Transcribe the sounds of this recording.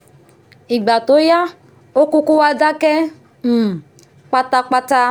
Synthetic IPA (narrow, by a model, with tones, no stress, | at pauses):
i˨ɡ͡ba˨to˨˦ja˦ | o˦ku˦ku˦wa˦da˦kɛ˦˨ | k͡pa˦ta˦k͡pa˦ta˦